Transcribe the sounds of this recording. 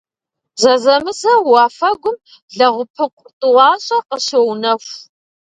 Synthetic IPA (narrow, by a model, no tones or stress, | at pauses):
zɐzɐmɨzɐwɑːfɐɡʷʊm | ɮɐʁʷʊpʰɨqʷʊrtʼɨʁɑːɕʼɐqəɕownɐxʷ